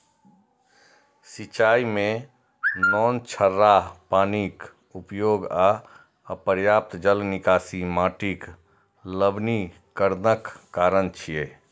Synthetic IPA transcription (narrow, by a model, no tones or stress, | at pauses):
sit͡ʃaːimẽ | nɔːnt͡ʃʰəɾːaɦpaːnik | upjoːɡa | əpəɾjaːp̚t̪d͡ʒəlnɪkaːsimaːʈik | ləbni | kəɾnəkːaːɾənt͡ʃʰijeː